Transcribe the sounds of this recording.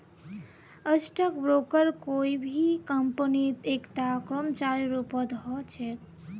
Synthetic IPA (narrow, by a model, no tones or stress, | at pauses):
əsʈək̚bɾokəɾkoibʱikəmpənit̪ekʈ̪akɾɔmt͡ʃaɾiɾupət̪ɦɔt͡ʃʰek